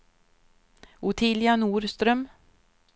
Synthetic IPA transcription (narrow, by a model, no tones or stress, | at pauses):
ʊt̪ʰɪljanuːɾst̪ɾœm